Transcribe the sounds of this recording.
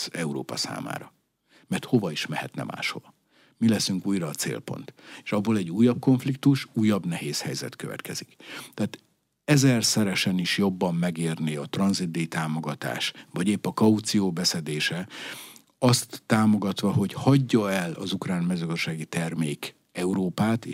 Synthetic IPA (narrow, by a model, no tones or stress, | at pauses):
ɛuɾo̰ːpɒ̰sa̰ːma̰ːɾɒ | mɛrt̪ho̞vɒiʃmɛhɛ̰t̪nɛ̰ma̰ːʃho̞̰vɒ | milɛsyŋkuːjrɒːt̪sḛːlpo̞̰nt̪eʃɒbːolɛɟːuːjːɒb̚ko̞ɱflikt̪uʃuːjːɒbnɛɦeːshɛjzɛ̰t̪køvɛ̰t̪kɛ̰z̥ikt̪ɛaːt̪ | ɛzɛrsɛɾɛʃɛniʃjo̞bːɒmːɛɡeːrniɒt̪rɒnzid̪ːeːjit̪aːmo̞ɡɒt̪a̰ːʃvɒɟeːpːɒkɒut̪sijoːbɛsɛd̪eːʃɛ | ɒst̪ːaːmo̞ɡɒt̪ʋɒɦo̞chɒɟːɒɛlɒ̰zukraːnmɛzøːɡzd̪ʃaːɡit̪ɛrmeːk | ɛuɾoːpaːt̪e